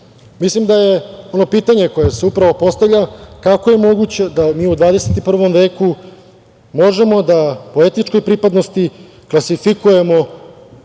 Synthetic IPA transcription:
mislimd̪aje̞o̞no̞piːt̪aɲe̞ko̞jese̞upɾaʋo̞po̞st̪avʎakakoje̞mo̞ɡut͡ɕe̞d̪amiːud̪ʋaːd̪e̞se̞t̪ipr̩ʋo̞mʋe̞ːku | mo̞ʒe̞mo̞d̪apo̞e̞t̪it͡ʃko̞jpɾipad̪no̞st̪i | klˠasifikuje̞mo̞

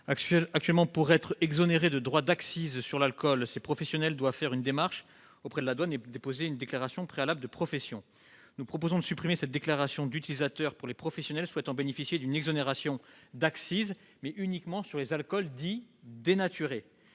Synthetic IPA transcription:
akt̪ɥɛlmɑ̃puʁɛt̪χɛɡzɔneʁed̪əd̪ʁwad̪aksizsyʁlalkɔlsepχɔfɛsjɔnɛld̪wavfɛʁynd̪emaʁʃ | opχɛd̪əlad̪waned̪epozeynd̪eklaʁasjɔ̃pχealabləd̪əpχɔfɛsjɔ̃ | nupχɔpozɔ̃d̪əsypχimesɛt̪̚d̪eklaʁasjɔ̃d̪yt̪ilizat̪œʁpuʁlepχɔfɛsjɔnɛlswɛt̪ɑ̃benefisjed̪ynɛɡzɔneʁasjɔ̃d̪aksiz | mɛʔynikmɑ̃syʁlezalkɔld̪id̪enat̪yʁe

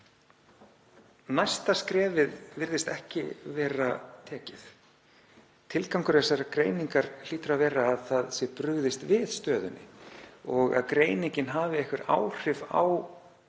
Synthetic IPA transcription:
najst̪askɾɛːvɪðvɪɾðɪst̪ɛhcɪ̰vɛːɾat̪ʰɛːcɪθ | t̪ʰɪlkawŋkʏɾðɛsaɾakɾeːjniŋkaɾ̥l̥iːt̪ʏɾavɛːɾaːðθaðsjɛpɾʏɣðɪst̪vɪð̥st̪œːðʏnːɪ̰ɔɣa̰ðkɾeːjniɲcɪnɦaːvɪɛhkvɪɾa̰wr̥ɪva̰w

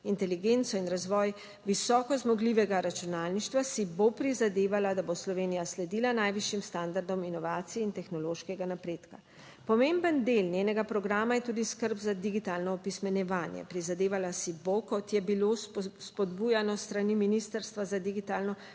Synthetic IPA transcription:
int̪ɛliɡent̪sɔinɾazʋɔːj | ʋisɔːkɔzmɔɡliːʋɛɡaɾat͡ʃunaːlniʃt̪ʋasibopɾizad̪eːʋalad̪aboslɔʋeːnijaslɛd̪iːlanajʋiʃjimst̪and̪aɾd̪ɔminɔʋaːt̪sijɛint̪ɛxnɔloːʃkɛɡanapɾeːt̪ka | pɔmembənd̪elnʲjeːnɛɡapɾɔɡɾaːmajɛt̪uːd̪iskəɾbzad̪iɡit̪aːlnɔːpismɛnjɛʋaːnjɛ̰pɾizad̪eːʋalasibokɔt̪jɛbilospɔd̪buːjanɔst̪ɾaniminist̪əɾst̪ʋazad̪iɡit̪aːlnɔ

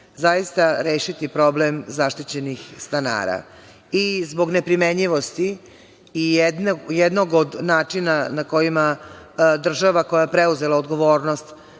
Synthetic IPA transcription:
zajist̪aɾeːʃit̪ipɾo̞blemzaʃt̪it͡ɕe̞nixst̪ana̰ːɾa̰ | izbo̞ɡnepɾimeɲiʋo̞st̪iː | jed̪jed̪no̞ɡod̪naːt͡ʂinanako̞jima | d̪r̩ʒaʋako̞jaepɾe̞uze̞lˠaod̪ɡo̞ʋo̞ːɾno̞st̪

